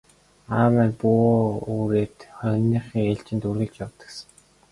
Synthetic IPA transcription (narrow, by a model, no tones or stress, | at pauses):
awænpuuːɾeːt̪χœɣʲnːiːχiːŋeɮt͡ɕɪ̆nt̪uɾɣɘ̆ɮt͡ɕjɔwt̪ə̆ksə̆ŋ